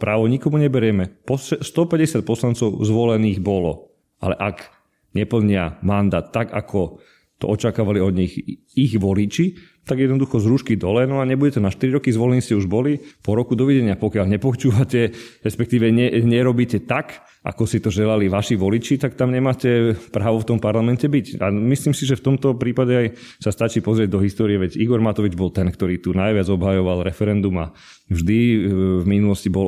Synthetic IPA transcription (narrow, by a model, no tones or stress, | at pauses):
pɾaːʋɔɲikɔmuɲɛbɛɾɪɛmɛpɔɛst̪ɔpɛɟɛsɪat̪̚pɔslant͡sɔʊzʋɔlɛniːɣbɔlɔ̰ | a̰lɛʔaɡ | ɲɛpl̩ɲɪa̰mand̪aːt̪ːaɡa̰kʰɔ | t̪ɔ̰ʔɔt͡ʃakaːʋaliɔd̪ɲix | iɣʋɔlit͡ʃi | t̪aɡjɛd̪nɔd̪uxɔzɾuːʃkid̪ɔlɛnɔaɲɛbuɟɛt̪ɛnaʃt̪iɾiɾɔkizʋɔlɛniscɛuʒbɔlipɔɾɔkud̪ɔʋɛɟɛɲɪapɔkɪaʎɲɛpɔt͡ʃuːʋacɛɾɛspɛkt̪iːʋɛɲɛɲɛɾɔbiːcɛt̪ak | ʔa̰kɔsit̪ɔʒɛlaliʋaʃiʋɔlit͡ʃit̪ak̚t̪amɲɛmaːcɛpɾaːʋɔft̪ɔmpaɾlamɛntɛbicamisliːmsiʒɛft̪ɔmt̪ɔpɾiːpaɟɛaj | sast̪at͡ʃiːpɔzɾɪɛɟ̚d̪ɔɦist̪ɔːɾiɛʋɛɟiɡɔɾmat̪ɔʋid͡ʒbɔlt̪ɛnkt̪ɔɾiːt̪unajʋɪad͡zɔbɦajɔʋalɾɛfɛɾɛnd̪uma̰ | vʒd̪ivminulɔscibɔl